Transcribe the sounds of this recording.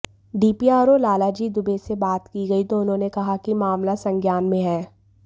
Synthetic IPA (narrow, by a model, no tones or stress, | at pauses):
ɖiːpiaːɾolaːlad͡ʒiːd̪ʊbesebaːt̪kiɡɐit̪oʊnɦõːnekɐɦakimaːmlasɐ̃ŋɡʱjaːnmẽɦɛ̃ː